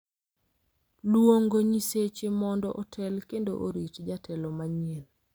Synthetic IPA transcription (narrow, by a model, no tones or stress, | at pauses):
lwoŋɡoɲiset͡ʃemɔndɔʔɔtʰɛlkendo̰ʔo̰ɾitd͡ʒatʰɛlɔmaɲel